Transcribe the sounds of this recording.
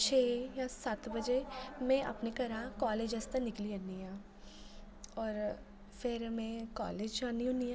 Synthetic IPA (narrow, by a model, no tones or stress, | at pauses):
t͡ʃʰeːjasaːt̪bɐd͡ʒemẽʔɐ̰pnekɐɾakɔːleːd͡ʒɐst̪anɪkliɐnijãː | ɔːɾ | fɪɾmɛ̃kɔ̰ːleːd͡ʒaːniɦʊ̃nijãː